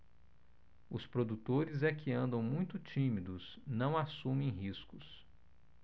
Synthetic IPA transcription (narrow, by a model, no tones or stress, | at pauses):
ʊspɾod̪ut̪oɾɪzɛkʰɪɐ̃nd̪ɐ̃w̃mũj̃t̪ʊt͡ʃĩmid̪ʊs | nɐ̃w̃asũmẽj̃ɦiskʊs